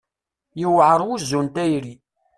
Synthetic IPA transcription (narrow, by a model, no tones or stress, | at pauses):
jəwʕəɾˤwuzːunt̪æjɾi